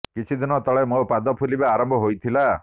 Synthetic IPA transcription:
kit͡ʃʰid̪inɔt̪ɔɭemopad̪ɔpʰulibaːɾɔmbʱɔɦojt̪ʰila

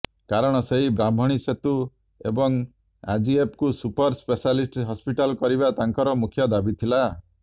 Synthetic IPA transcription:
kaɾɔɽ̃ɔseɦibɾambʱɔɽ̃iset̪u | ebɔŋ | a̰d͡ʒiepkusupɔɾspesalisʈɦɔspiʈalkɔɾibat̪aŋkɔɾɔmukʰjɔd̪abit̪ʰila

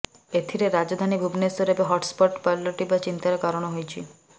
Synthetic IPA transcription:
et̪ʰiɾeɾad͡ʒɔd̪ʱanibʱubnesoɾepeɦɔʈspɔʈpaɾlɔʈibat͡ʃint̪aɾekaɾɔɽ̃ɔɦojt͡ʃʰi

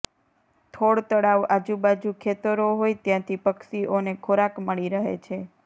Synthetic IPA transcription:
t̪ʰoɽt̪əɽaʋad͡ʒũbad͡ʒukʰet̪əɾoɦojt̪jãt̪ʰipəkʃiʔonekʰoɾakməɭiɾəɦḛt͡ʃʰe

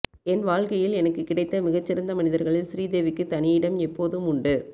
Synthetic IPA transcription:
ɛnʋaːɻkɐjɪlɛnɐkːɯkːɪɽɐɪt̪ːɐmɪɣɐt͡ʃːɪɾɐnd̪ɐmɐnɪðɐɾɣɐɭɪlsɪɾiːd̪eːʋɪkːɯt̪ɐnɪɪɽɐmɛpːoːðɯmʊɳɖɯ

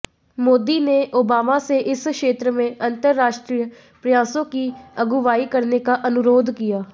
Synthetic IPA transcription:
moːd̪iːneʔoːbaːmaːseʔɪskʃeːt̪ɾəmẽʔənt̪əɾːaːʃʈɾijə | pɾɪjaːsõːkiəɡuʋaːikəɾnekaʔənʊɾoːd̪ʱkɪjaː

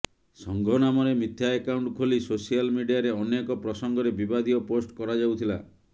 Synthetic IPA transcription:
sɔŋɡʱɔnamɔɾemit̪ʰjaekawɳʈkʰolisosijalmiɖijaɾeɔnekɔpɾɔsɔŋɡɔɾebibad̪iɔposʈkɔɾad͡ʒawt̪ʰila

